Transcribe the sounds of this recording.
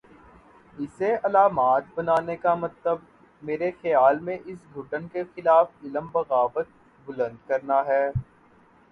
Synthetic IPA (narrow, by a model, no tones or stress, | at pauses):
ɪseɐlaːmaːt̪̚bɐnaːnekamɐt̪ləb̚ | meːɾexɐjaːlmẽʔɪsɡʱʊʈənkexɪlaːfɪləmbɐɣaːʋət̪̚ | bʊlə̃nd̪kɐɾnaɦɛː